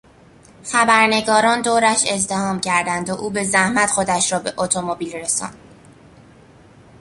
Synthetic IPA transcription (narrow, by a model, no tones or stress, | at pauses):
xæbæɾne̞ɡɒːɾɒːnd̪oːɾæʃe̞zd̪e̞hɒːmcʰæɾd̪ænd̪oʔuːbe̞zæhmæt̪χo̞d̪æʃɾɒːbe̞ʔot̪ʰomobiːlre̞sɒ̰ːnd̪̥